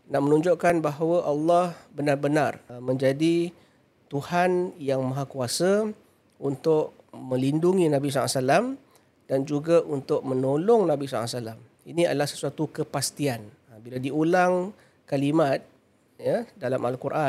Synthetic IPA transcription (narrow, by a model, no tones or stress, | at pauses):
naʔmənũɲd͡ʒʊʔkanbaɦawəʔalːɑhbənarbənarmə̃ɲd͡ʒadi | t̪uhanjaŋmãɦakuasə | unt̪ʊʔ | mə̃linduŋinãbis̬ɔa̰salam | d̥and͡ʒuɡaʔunt̪ʊʔ̚mə̃nolɔŋnãbisɔ̰asalam | inĩa̰dəlahsə̥suat̪ukəpast̪ian | biladiulaŋ | kalimat̪̚ | jadalamʔa̰lkurʔa